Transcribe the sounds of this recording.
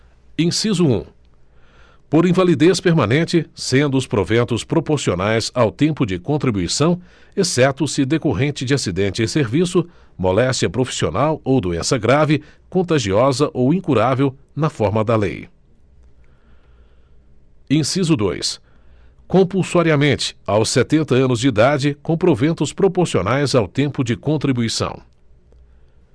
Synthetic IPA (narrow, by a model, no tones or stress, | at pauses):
ĩsizʊṵ̃ | poɾĩvalid̪espeɾmãnẽnt͡ʃɪsẽnd̪ʊʊspɾovẽnt̪ʊspɾopoɾsionajzawt̪ẽmpʊd͡ʒɪkõnt̪ɾibuisɐ̃w̃ | esɛt̪ʊsɪd̪ekoɦẽt͡ʃɪd͡ʒɪasid̪ẽnt͡ʃɪɪseɾvisʊ | molɛst͡ʃiɐpɾofi̥sio̰nawowd̪uẽsɐɡɾavɪkõnt̪aʒiɔzɐʔowĩkuɾavew | nɐfɔɾmɐd̪ɐlḛj | ẽsizʊd̪o̰js | kõpuwsaɾiɐmẽnt͡ʃɪ̥awsːet̪ẽnt̪ɐɐ̃nʊzd͡ʒɪid̪ad͡ʒɪkõw̃pɾovẽnt̪ʊspɾopoɾsionajzawt̪ẽmpʊd͡ʒɪkõnt̪ɾibuisɐ̰̃w̃